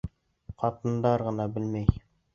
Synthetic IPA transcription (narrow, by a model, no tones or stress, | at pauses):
qɑt̪ɤ̆nd̪ɑɾʁɤ̆nɑbɘlmæj